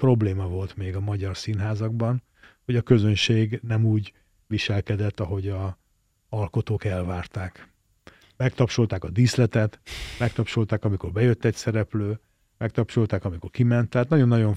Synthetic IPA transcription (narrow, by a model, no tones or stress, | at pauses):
pro̞bleːmɒvo̞lt̪meːɡɒmɒɟɒrsiːnɦaːzɒɡ̚bɒn | ho̞ɟɒkø̞zø̞nʃeːɡnɛmuːɟ | ʋiʃɛlkɛd̪ɛt̪ːɒɦo̞ɟɒ | ɒlko̞t̪oːkɛlvaːrt̪aːk | mɛkt̪ɒpʃolt̪aːkɒd̪islɛt̪ɛt̪mɛkt̪ɒpʃolt̪aːkɒmiko̞rbɛjø̞t̪ːɛcsɛɾɛpløː | mɛk̚t̪ɒpʃolt̪aːkɒmiko̞rkimɛnt̪ːaːt̪nɒɟo̞nːɒɟo̞ɱ